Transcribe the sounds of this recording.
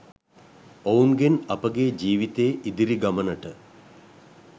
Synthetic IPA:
owunɡenɐpɐɡeːd͡ʒiːʋit̪eːʔid̪iɾiɡɐmɐnɐʈɨ

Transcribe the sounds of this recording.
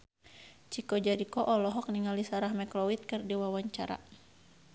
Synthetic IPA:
t͡ʃikɔd͡ʒaɾikɔʔɔlɔɦɔk̚niŋalisaɾahmɛklɔwit̪̚kɨrdiwawaɲt͡ʃaɾa̰

